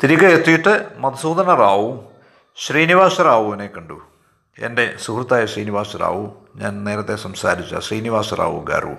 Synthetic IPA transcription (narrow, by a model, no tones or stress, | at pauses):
t̪iɾikːɐet̪ːijiʈːɨmɐd̪ɐsuːd̪ʱɐnɐraːʋum | ɕriːniʋaːʂɐɾaːʋuʋɐnekːɐɳɖu | ḛnde̞sukrut̪ːaːjɐɕriːniʋaːʂɐɾa̰ːʋum | ɲa̰ːnne̞ːɾɐt̪ːe̞sɐmsaːɾit͡ɕːa̰ɕriːniʋaːʂɐra̰ːʋṵmɡa̰ːrɐ̰ṵm